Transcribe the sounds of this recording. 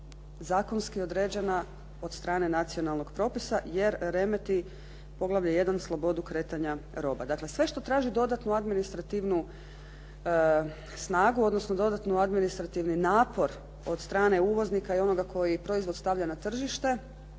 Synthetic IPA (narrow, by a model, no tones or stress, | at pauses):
zaːko̞nskio̞d̪ɾeːd͡ʑe̞na | o̞d̪st̪ɾaːne̞nat̪sio̞nalˠno̞ɡ̥pɾo̞ːpisaje̞ɾɾe̞me̞t̪i | po̞ɡlˠaʋʎaje̞d̪anslˠo̞bo̞d̪ukɾe̞ːt̪aɲaɾo̞ba̰d̪akle̞sʋe̞ʃt̪o̞t̪ɾaːʒid̪o̞d̪at̪nuad̪minist̪ɾat̪iʋnu | snaːɡuo̞d̪nosnod̪o̞d̪at̪nuad̪minist̪ɾat̪iʋninaːpo̞ɾ | o̞d̪st̪ɾaːne̞uːʋo̞znikaio̞no̞ɡakʰo̞jipɾo̞izʋo̞d̪st̪aʋʎanat̪r̩ʒiʃt̪e̞